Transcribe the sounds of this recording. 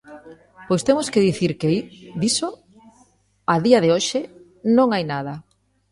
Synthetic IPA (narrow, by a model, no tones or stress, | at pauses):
pojst̪emoskeðiθiɾkeðiso | aðiaðɪoʃɪ | nõŋajnað̞ɐ